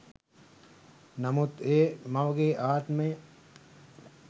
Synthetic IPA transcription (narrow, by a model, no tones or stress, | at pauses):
namut̪eːmɐʋəɡeʔaːt̪məjə